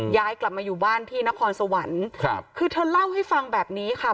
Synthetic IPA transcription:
jaː˧jkla˨˩p̚maː˧juː˨˩baː˥˩nt̪ʰiː˥˩na˦˥kʰɔː˧nsa˧wa˩˦nkʰa˧˩kʰɯː˧t̪ʰaː˧˥˩la˥˩wha˥˩jfa˧ŋbɛː˨˩p̚niː˦˥kʰa˥˩

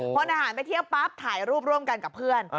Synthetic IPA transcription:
o˧nʔaː˧haː˩˦np̬a˧jt̪ʰi˥˩əwwpaː˦˥p̚t̪ʰaː˩˦jɾuː˥˩p̚ɾu˧˩əmka˧nka˨˩pʰːɯ˥˩ən

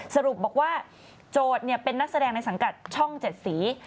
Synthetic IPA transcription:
sa˧ɾu˨˩p̚bɔː˨˩k̚waː˥˩ | t͡ɕoː˧˩t̪̚ni˥˩ɐpe˧nːa˦˥k̚sa˧dɛː˧ŋna˧jsa˩˦ŋka˨˩t̪̚t͡ɕʰɔ˥˩ŋt͡ɕe˨˩t̪̚siː˩˦

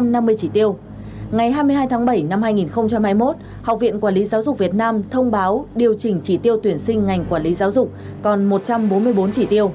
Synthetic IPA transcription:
mna˧mːɨ˧əjt͡ɕi˧˩t̪i˧əw | ŋa˨˩jɦaː˧jmɨ˧əjɦaː˧jt̪ʰaː˨˦ŋɓə˧˩jna˧mhaː˧jŋi˨˩nxə˧wŋ͡mt͡ɕa˧mhaː˧jmo˦˥t̚ | ha˨˩wk͡p̚vḭ˧˨ənkwaː˧˩li˨˦zaː˨˦wzʊ˨˩k͡p̚vi˨˩ət̚naː˧mt̪ʰə˧wŋ͡mɓaː˨˦wɗi˨˩əwt͡ɕï˨˩ŋ̟t͡ɕi˧˩t̪i˧əwt̪wi˧˩ənsï˧ŋ̟ŋa˨˩jŋ̟kwaː˧˩li˨˦zaː˨˦wzʊ˨˩k͡p̚ | kɔ˨˩nmo˨˩t̚t͡ɕa˧mɓo˨˦nmɨ˧əjɓo˨˦nt͡ɕi˧˩t̪i˧əw

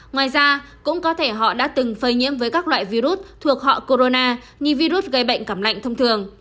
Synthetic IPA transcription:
ŋwaː˨˩jzaː˧kʊ̰˧˥ŋ͡mkɔ˨˦t̪ʰe˧˩ɦɔ̰˧˨ɗa̰ː˧˥t̪ɨ˨˩ŋfəː˧˩jɲḭ˧˥əmvəː˨˦jkaː˦˥k̚lwa̰ː˧˨jvi˧ɾu˦˥t̚t̪ʰu˨˩ək̚hɔ̰˧˨ko˧ɾo˧naː˧ | ɲɨ˧vi˧ɾu˦˥t̚ɣə˧˩jɓə̰˧˨jŋ̟kə˧˩mla̰˧˨jŋ̟t̪ʰə˧wŋ͡mt̪ʰɨ˨˩əŋ

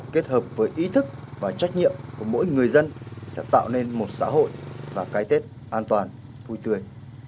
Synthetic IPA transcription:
ke˦˥t̚həː˨˩p̚vəː˨˦jʔi˨˦t̪ʰɨ˦˥k̚vaː˨˩t͡ɕa˦˥jk̟̚ɲḭ˧˨əmku˧˩əmo̰˧˥jŋɨ˨˩əjzə˧nsɛ̰˧˥t̪a̰ː˧˨wne˧nmo˨˩t̚sa̰ː˧˥ɦo̰˧˨jvaː˨˩kaː˨˦jt̪e˦˥t̚ | ʔaː˧nt̪waː˨˩n | vu˧jt̪ɨ˧əj

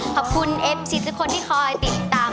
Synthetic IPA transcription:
kʰɔː˨˩p̚kʰu˧nʔe˨˧˩p̚si˨˩sɯ˦˥kʰo˧nt̪ʰiː˥˩kʰɔː˧jt̪i˨˩t̪ːaː˧

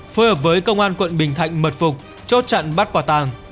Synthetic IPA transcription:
fuː˨˧˦jhəː˨˩p̬̚vəː˨˦jkə˧wŋ͡mʔaː˧nkwə̰˧˨nɓï˨˩ŋt̪ʰa̰˧˨jŋ̟mə˨˩t̚fʊ˨˩k͡p̚ | t͡ɕo˦˥t̚t͡ɕa̰ː˧˨nɓa˦˥t̚kwaː˧˩t̪aː˨˩ŋ

